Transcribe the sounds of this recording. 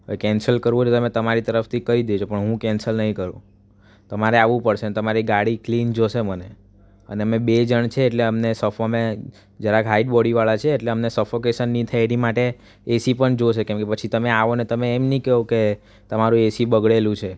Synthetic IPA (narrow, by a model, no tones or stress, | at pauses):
ojkɛnsəlkəɾʋõet̪əmẽt̪əmaɾit̪əɾəft̪ʰikəɾid̪eut͡ʃʰopəɳɦũkɛnsəlnəɦĩkəɾṵ̃ | t̪əmaɾeaʋũpəɽʃenet̪əmaɾiɡaɽiklind͡ʒoʃeməne | ə̰neəmebed͡ʒəɳt͡ʃʰeːʈleəmnesəfame | d͡ʒəɾakɦaiʈbɔɽiʋaɭat͡ʃʰeːʈleəmnesəfokesənːĩt̪ʰaeɽimaʈe | esipəɳd͡ʒoʃekɛ̃mkepət͡ʃʰit̪əmeaʋonet̪əmeːmnĩkeɦoke | t̪əmaɾũesibəɡɭelũt͡ʃʰe